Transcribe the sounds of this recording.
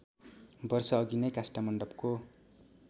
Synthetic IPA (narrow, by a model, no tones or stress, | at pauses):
bʌrsʌːɡinʌjkasʈamʌɳɖʌbko